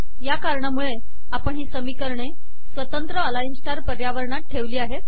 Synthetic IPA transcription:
jakaɾɳamuɭe | apəɳɦiːsəmikəɾɳe | sʋət̪ənt̪ɾəəlainsʈaɾpəɾjaʋəɾɳat̪̚ʈʰeʋliːaɦe

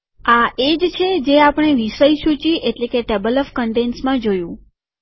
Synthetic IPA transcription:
aʔed͡ʒt͡ʃʰed͡ʒeapəɳ̃eʋiʃəjʃũt͡ʃiʔeʈlekeʈebələfkəɳɖensmãd͡ʒojũ

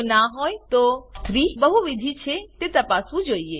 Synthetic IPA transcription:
naɦɔjt̪ost̪ʰɾibəɦuʋid̪ʱit͡ʃʰet̪et̪apasũd͡ʒoie

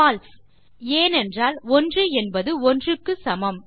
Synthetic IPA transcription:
aːlf | eːnɛndraːlɔndrɯɛnbɐðɯɔndrɯkːɯsɐmɐm

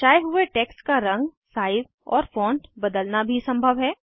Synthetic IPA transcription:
t͡ʃaːeɦʊeʈɛːkskaɾɐ̃ŋɡ | saːɪz | ɔːɾfɔ̃ːɳʈbɐd̪əlnabʱisɐ̃mbʱəʋɦɛː

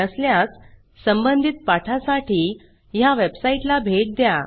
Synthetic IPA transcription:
əsljat͡s | səmbənd̪ʱit̪̚paʈʰasaʈiː | jaʋebsaiʈlabʱeʈ̚d̪ja

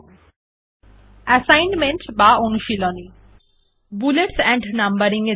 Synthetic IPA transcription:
əsajnmeɳʈbaonuʃilɔni | buleʈsɛ̃ɳɖnambəɾiŋe

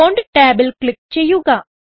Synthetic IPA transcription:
oɳɖʈɛːbəlklɪk̚t͡ʃɐjuɡaː

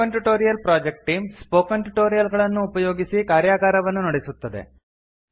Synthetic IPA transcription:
ɐnʈuʈo̞ːɾijɐlpɾaːd͡ʒek̚ʈʈːiːmspoːkɐnʈuʈoːɾijɐlɡɐɭɐnːuːpɐjo̞ːɡisikaːɾjaːɡaːɾɐʋɐnːunɐɽisut̪ːɐd̪ḛ

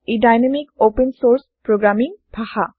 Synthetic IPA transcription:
idajnamik̚opensoɾspɾoɡɾamiŋbʱaha

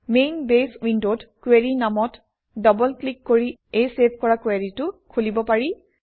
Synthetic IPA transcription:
menbeswindodkweɹinamɔt | dɔbɔlklikːoɹiejsebʱkɔɹakweɹitʊkʰulibɔpaɹi

